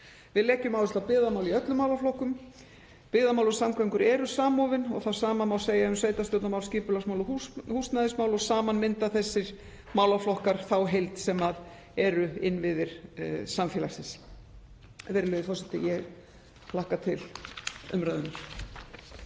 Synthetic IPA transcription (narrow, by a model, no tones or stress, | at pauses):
vɪðlɛːhcʏmawlɪst̪awpɪːðamawliœt̪lʏmaːwlaflɔhkʏm | pɪːðamaːwlʏsamkʰvajŋkʏɾɛɾʏsaːmɔːvɪnɔ̰ɣθawsaːmanmaw̪seːjaʏmsveːjt̪ast̪jowt̪namawlscɪːpʏlasmawlʏuhust̪naðɪsmawlɔsaːmanmɪnt̪aθɛsːɪɾ̥ | maːwlaflɔhkaɾ̥θawɦejlt̪sɛmað | ɛɾʏɪnːvɪðɪɾ̥samfjɛːlasɪns | vɛːɾɪlœjðɪfɔrsɛt̪ɪ̰jɛɣ | lahkat̪ʰɪlʏ̰mɾaðʏnʏɾ̥